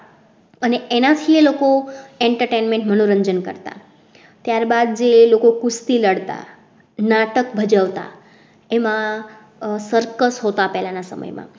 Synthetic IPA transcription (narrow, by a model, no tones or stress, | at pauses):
əneenat̪ʰielokoeɳʈəɾʈenmẽɳʈmənoɾəɲd͡ʒənkə̰ɾt̪a̰ | t̪jaɾbad̪̚d͡ʒelokokust̪iləɽt̪a̰ | naʈəkbʱəd͡ʒaʋt̪a̰ | emã | səɾkəsɦot̪apɛɦlanasə̰mə̰jmã̰